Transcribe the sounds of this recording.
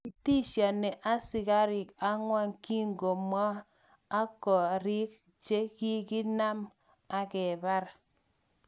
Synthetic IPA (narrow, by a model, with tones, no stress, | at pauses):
i˨ti˦ʃa˨ne˨ʔa˦si˨ka˦ɾi˨ka˦ŋwa˦ŋki˦ŋɡo˨mːaː˦ | kɔ˨ɾi˦k̚ | t͡ʃe˦ki˦ki˦na˦m | a˨kɛ˨ba˦ɾ